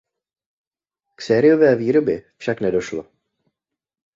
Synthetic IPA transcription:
ksɛːɾɪjo̞vɛːviːɾo̞bjɛfʃaknɛdo̞ʃlo

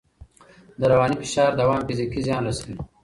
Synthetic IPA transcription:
d̪əɾɐwɑːnifi̥ʃɑːɾd̪ɐwaːmfizikizjɑ̃ːnɾɐsil

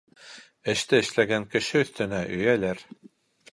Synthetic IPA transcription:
ɘ̆ʃt̪ɘɘ̆ʃlæɡæŋkɘ̆ʃɘɵ̆θt̪ɘ̆næʔɵ̆jælæɾ

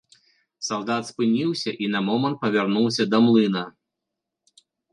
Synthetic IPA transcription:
sawd̪at̪spɨnʲiwsʲɐʔinɐmɔmɐnt̪̚pɐvʲarnuwsʲɐd̪ɐmlˠɨnɐ

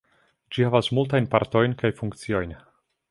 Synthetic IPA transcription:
d͡ʒihavasmultajnpa̰ɾto̞jnkajfuŋkt͡sio̞jn

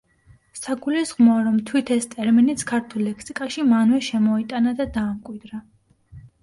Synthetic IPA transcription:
saɡulisʁmɔaɾɔmt̪ʰwit̪ʰɛst̪ʼɛɾminit̪sʰkʰaɾt̪ʰulːɛkʰsikʼaʃimanvɛʃɛmɔit̪ʼanad̪ad̪aːmkʼwid̪ɾa

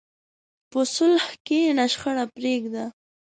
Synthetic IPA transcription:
pəsʊlhkenaʃxəɽapɾeɡd̪a

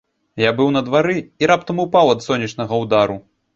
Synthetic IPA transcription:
jabɨwn̪ɐd̪vaɾɨiɾap̚t̪ɐmupawɐt̪sɔnʲːit͡ʂnɐɣɐwd̪aɾu

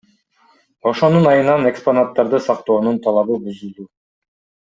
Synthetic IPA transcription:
o̞ʃo̞nunɑjɯnɑne̞ksponat̪ːɑɾd̪ɯsɑq̚t̪o̞ːnunt̪ʰɑlˠɑβɯbyzylyː

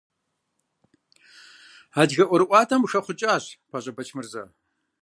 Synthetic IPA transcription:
aːdɣɐʔʷɔɾɨʔʷʼɑːtʰɐmxɐχʷʊt͡ʃʼaːɕpʰaɕʼɐbɐt͡ʃʰmɨrzɐ̰

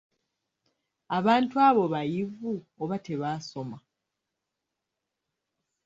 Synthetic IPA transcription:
aβaːntuaːβo̞βajivuoβate̞βaːso̞ma

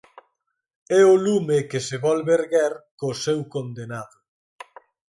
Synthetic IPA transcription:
ɛʊlumekɪseβɔlβeɾɣɛɾkosɛwkond̪enaðʊ

